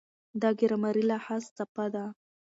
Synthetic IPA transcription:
d̪ɑɡɪɾamaɾilahast͡sapad̪a

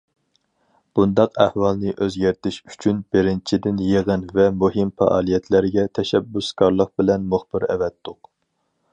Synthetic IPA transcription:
b̥und̪ɑqæhwɑlˠnɨʔøzɡʲæɾt̪ɪʃy̥t͡ʃʰynbɪɾɪnt͡ʃʰid̪ɪnjeʁɨnvɛmuɦɪmfɛ̰ʔɑ̰ːlˠijɛt̪ʰlæɾɡʲɛt̪ʰɛʃɛbːuskɑɾlˠəq̚bɪlɛnmʊχb̥ɪɾɛ̰vɛt̪ːʊq

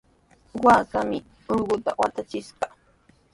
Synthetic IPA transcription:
waːkamɪ | ʊʎɢʊt̪a̰wat̪at͡ʃɪʃɢɑ

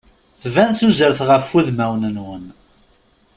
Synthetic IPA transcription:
θvænθuzəɾθʁəfːuðmæwnənwən

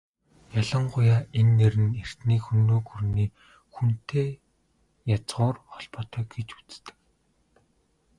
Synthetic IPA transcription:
jaɮə̆ɴɢʊjaːenːeɾɘ̆ner̥t̪niːkxunːoːkurniː | xun̥t̪ʰeː | jat͡sʁʊːrχɔɮpɔːt̪œːɡet͡ɕu̥t͡st̪ɘ̥̆k

